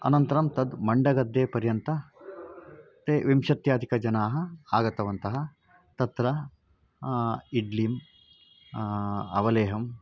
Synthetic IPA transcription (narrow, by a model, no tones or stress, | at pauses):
ɐ̰nɐnt̪ɐɾɐmt̪ɐd̪mɐɳɖɐɡɐd̪ːeːpɐɾjɐnt̪ɐ | t̪eːʋimʃɐt̪jaːd̪ʱikɐd͡ʒɐnaːɦɐ̆aːɡɐt̪ɐʋɐnt̪ɐɦɐ̆ | t̪ɐt̪ɾɐ | iɖlim | ɐʋɐleːɦɐm